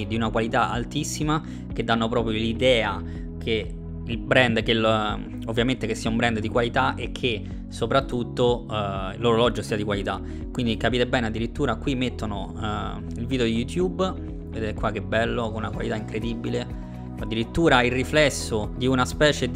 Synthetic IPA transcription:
d̪iunakwalit̪aʔa̰lt̪isːima | k̟ed̪ːanːopɾɔːpɾjolid̪ɛːa | kʰe | ilbɾɛnd̪kel | ovːjament̪ekesːiaumbɾɛnd̪d̪ikwalit̪aʔekʰːe | sopɾat̪ːut̪ːoilːoːɾolɔd͡ʒːosiːad̪ikwalit̪a | kːwind̪ikapiːt̪ebɛːnead̪ːiɾit̪ːuːɾakːwimet̪ːono | ilvid̪eod̪ijut̪jub | ved̪eːt̪ekːwak̟ːebːɛlːokonunakwalit̪aiŋkɾed̪ibile | ad̪ːiɾit̪ːuːɾailrːiflɛsːod̪iunaspɛːt͡ʃed̪

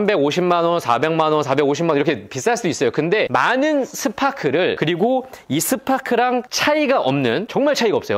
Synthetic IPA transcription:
mbe̞ɡoɕʰimmanwʌnsʰabe̞ŋmanwʌnsʰabe̞ɡoɕʰimaniɾʌkʰepis͈aɭs͈uduis͈ʌjokɯnde̞manɯnsʰɯpʰakʰɯɾɯɭkɯɾiɡoisʰɯpʰakʰɯɾaŋt͡ɕʰaiɡaʔʌmnɯnt͡ɕʌŋmaɭt͡ɕʰaiɡaʌp̚s͈ʌjo

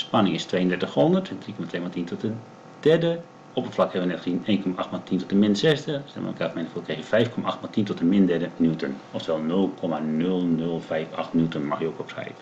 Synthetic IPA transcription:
spanɪŋɪstʋejəndɛtəxhɔndərtdrikɔmatʰʋeːmatintɔtə | d̥ɛɹdə | ɔpətflakhɛʋənɛtxineːnkɔmaʔaxtmatintɔtənmɪnsɛsdəstɛ̰lmə̰əkafmɛnəfokexəfɛjfkʰɔmaʔaxtmatintɔtənmɪndɛdənjutənɔftəʋɛlˠnølˠkʰɔmanølˠnølˠfɛjfaxtnjutənmaxjəokɔpsɛ̰jt

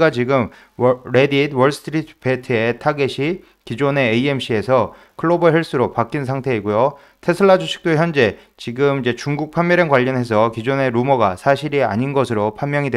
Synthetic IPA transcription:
ɡat͡ɕiɡɯm | ɾe̞didwʌɭsʰɯ̥tʰɾitʰpe̞tʰɯe̞tʰaɡeɕʰi | kid͡ʑone̞ːie̞mɕ͈ʰie̞sʰʌ | kʰɯɭːobɯɦjeɭs͈uɾopak͈insʰaŋtʰe̞iɡojo | tʰe̞sʰɯɭːad͡ʑuɕʰi̥k̚t͈oçjʌnd͡ʑe̞ | t͡ɕiɡɯmid͡ʑe̞t͡ɕuŋɡuk̚pʰamːjʌɾʌnkwaʎːʌnɦe̞s̬ʰʌkid͡ʑone̞ɾumʌɡasʰaɕʰiɾia̰ɲinɡʌsʰɯɾopʰanmjʌŋidwe

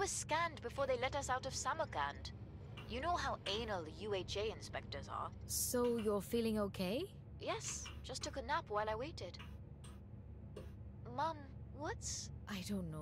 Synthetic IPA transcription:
wʌz̥skæ̃ndbɨfɔɹðeɪlɛɾʌsaʊɾʌv̥sæmə˞ɡæ̰̃nd̥ | jɨnoʊɦaʊʔẽɪ̃nl̩ˠjʉeɪt͡ʃeɪɨ̃nspɛk̚tə˞zə̰˞soʊjə˞filˠɪ̃ŋoʊkʰeɪ | jɛsʒ̥ʌstʰʊkɨnæpwaɪlˠaɪweɪɾɪd̥ | mʌ̃mwʌtsʔaɪdõʊ̃nːo

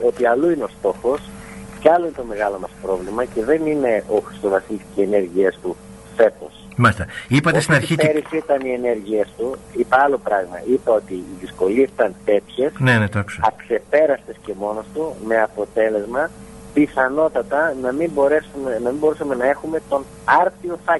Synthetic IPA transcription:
o̞t̪iɐluineo̞st̪o̞xo̞scɐloinet̪o̞me̞ɣɐlo̞mɐspɾo̞vlimɐce̞ðe̞nine̞ʔo̞xɾist̪o̞vɐsilisciene̞ɾʝiest̪u | fe̞t̪o̞s | mɐlist̪ɐipɐt̪est̪inɐɾiçieɾisit̪ɐnie̞ne̞ɾʝiest̪uipɐɐlo̞pɾɐɣmɐ̰ipɐo̞t̪iːðisko̞liesi̥t̪ɐnt̪e̞t̪çe̞snenet̪ɐksoɐkse̞pe̞ɾɐst̪esce̞mo̞no̞st̪ume̞ɐpo̞t̪e̞le̞zmɐ | piθɐno̞t̪ɐt̪ɐnɐmimbo̞ɾe̞sumenɐmimbo̞ɾusɐme̞nɐe̞xume̞t̪o̞n | ɐɾtio̞θɐc

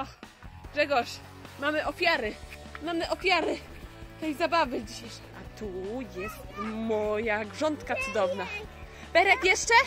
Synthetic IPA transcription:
ɔ | ɡ̥ʐɛɡɔʂ | mamɘʔɔfʲjaɾɘ | mamɘʔɔfʲjaɾɘ | t̪ɛjzabavɘd͡ʑiɕe | ʔat̪ujɛst̪mɔjaɡʐɔnt̪kat̪sud̪ɔvna | bɛɾɛkjɛʂt͡ʂɛ

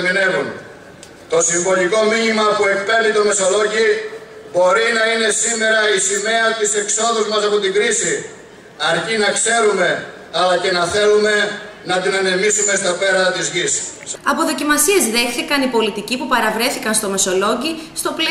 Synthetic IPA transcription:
mine̞vun | t̪o̞siɱvo̞liko̞miɲimɐpue̞k̚pe̞ɾnit̪o̞me̞so̞lo̞ʝi | bo̞ɾinɐine̞sime̞ɾɐisime̞ɐt̪ise̞kso̞ðuzmɐsɐpo̞t̪iɡɾisi | ɐɾcinɐkse̞ɾume̞ | ɐlɐcenɐθe̞lume̞ | nɐt̪inenemisume̞st̪ɐpe̞ɾɐt̪izʝisɐpo̞ðo̞cimɐsie̞zðe̞xθikɐnipo̞lit̪icipupɐɾɐvɾe̞θikɐnst̪o̞me̞so̞lo̞ɟist̪o̞pl

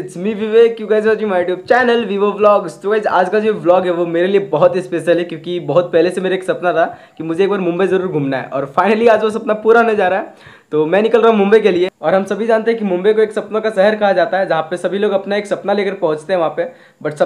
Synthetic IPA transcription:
t͡ʃmiʋiʋekjõːkɛːs̬eod͡ʒimaːʈjuːb̚t͡ʃɛːnəlʋiʋeblɔːɡsʈuɡeːd͡ʒa̰ːd͡ʒkad͡ʒoblɔːɡɦɛʋomeːɾeliebɐɦʊt̪ispeːʃəlɦɛkjõːkibɐɦʊt̪̚pɛɦlesemeːɾeːksɐpnat̪ʰakimʊd͡ʒʱeːk̚baːɾmʊ̃mbəjzɐɾuːɾɡʱuːmnaɦɛ̰ʔɔ̰ːɾfaːɪnəliaːd͡ʒʋos̬ɐpnapuːɾaɦoned͡ʒaːɾaɦɛ | t̪oːmɛ̃nɪkəlɾaːɦũmʊ̃mbəikelieɔːɾɦɐmsɐbʱid͡ʒaːnt̪eɦɛ̃kimʊ̃mbəjkoeːksɐpnõkasɛɦəɾkɐɦad͡ʒaːt̪aɦɛd͡ʒɐɦãpesɐbʱiloːɡɐpnaeːksɐpnaleːkəɾpɐɦʊ̃t͡ʃt̪eɦɛ̃ʋɐɦãpe | bɐʈsɐ

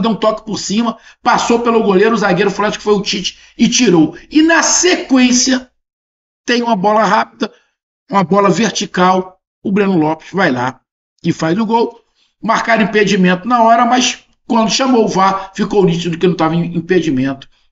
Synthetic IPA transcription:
d̪ɐ̃w̃t̪ɔkɪ̥pʊɾsĩmɐ | pasowpelʊɡoleɾʊzaɡeɾʊflasɪ̥kɪ̥fojʊt͡ʃit͡ʃɪ̥ | ɪt͡ʃiɾowɪnɐsekwẽsiɐ | t̪ẽj̃ũmɐbɔlɐɦapid̪ɐ | ũmɐbɔlɐveɾt͡ʃikaw | ʊbɾẽnʊlɔpɪ̥svajla̰ | ɪfajzʊɡow | maɾkaɾʊĩped͡ʒimẽnt̪ʊnɐɔɾɐmɐs | kwɐ̃nd̪ʊʃɐmowvafikownit͡ʃɪd̪ʊd̪ɪkɪnɐ̃w̃t̪avẽĩped͡ʒimẽnt̪ʊ̥

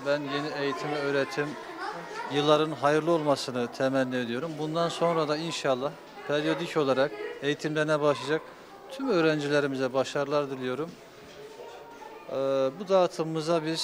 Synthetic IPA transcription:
bænje̞nie̞jit̪ʰimɛøːɾet̪ʰːim | jɯlˠːaɾɯnɦajɯɾlˠɯo̞lˠmasɯnɯt̪ʰɛmænːʲied̪ijo̞ɾumbund̪anso̞nɾad̪ainʃalˠːah | pʰeɾʲijo̞d̪ico̞lˠaɾake̞jit̪ʰimlɛnɛbaʃlˠad͡ʒak̚ | t̪ʰymø̞ːɾænd͡ʒilʲe̞ɾimizɛbaʃaɾɯlˠaɾd̪ilʲijo̞ɾum | bud̪aːt̪ʰɯmɯzabiɾ

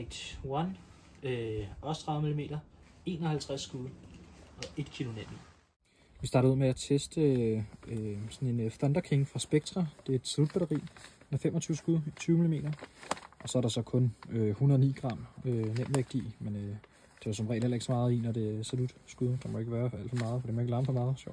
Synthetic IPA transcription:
eɡ̥̚d̥wɒn | øɒst͡sʰʁɑ̈ð̩ˠmilime̝̰ːdɐe̝̰ːnɒhælt͡sʰʁasːɡ̥uðˠɒ̽e̝d̥kʰilo̝nen̰ | ʋisd̥ɑ̈ːd̥ɾð̩ˠuð̰ˠmeæt͡sʰesd̥əøsɒ̽ne̝nfɒnd̥ɐkʰe̝ŋfʁɑ̈sb̥eɡ̥̚t͡sʰʁɑd̥e̝æɐe̝d̥sælud̥̚b̥æɾɐʁḭː | nɐfem̰ɒt͡sʰyːʊsɡ̥uðˠit͡sʰyːʊmilime̝̰ːd̥ɐʔɒ̽sɒ̽æɐɾ̥ɑ̈sɒ̽kʰɔ̽nøhunɐðˠnḭːɡ̥ʁɑ̈m̰ønem̰eɡ̥d̥imenø | d̥e̝æsɒ̽mʁɛ̰ːlˠelɐe̝ɡ̥sɒ̽mɑ̈ːð̞̩ˠinɒd̥e̝sælud̥sɡ̥uðˠd̥ɑ̈mɒoe̝ɡ̥əʋæːɐæl̰̥fɒmɑ̈ːð̩ˠfɒ̽d̥emɒe̝ɡ̥əlɑ̈ːmsɒ̽mɑ̈ːð̞̩ˠɕɒ̰ʊ̰̥

